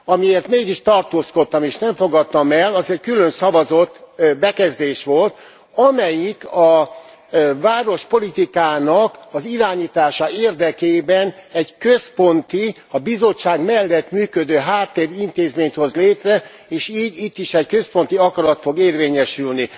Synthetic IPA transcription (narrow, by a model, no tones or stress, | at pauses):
ɒmieːrt̪meːɡiʃt̪ɒrt̪oːsko̞t̪ːɒmeːʃnɛɱfo̞ɡɒt̪ːɒmɛlːɒzɛckylønsɒvɒzo̞t̪ːbɛkɛzd̪eːʃʋo̞lt̪ | ɒmɛjikɒ | vaːɾo̞ʃpo̞lit̪ikaːnɒkɒziɾaːɲiːt̪aːʃɒeːrd̪ɛkeːbɛnɛɟkøspo̞nt̪i | ɒbizo̞t͡ʃːaːɡmɛlːɛt̪myːkød̪øːɦaːt̪ːeːɾint̪eːzmeːɲt̪ho̞zleːt̪rɛ | eːʃiːɟit̪ːiʃɛckø̞spo̞nt̪iɒkɒɾɒt̪fo̞ɡeːrveːɲɛʃylni